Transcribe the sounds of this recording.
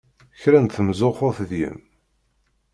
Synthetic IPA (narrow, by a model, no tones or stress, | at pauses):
çɾænθəmzoχʊθðjə̰m